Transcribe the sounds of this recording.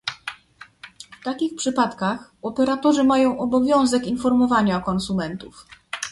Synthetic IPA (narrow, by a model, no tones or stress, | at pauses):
ft̪akʲixpʂɘpat̪kaxɔpɛɾat̪ɔʐɘmajɔ̃w̃ɔbɔvʲjɔ̃w̃zɛkinfɔɾmɔvaɲaɔkɔnsumɛnt̪uf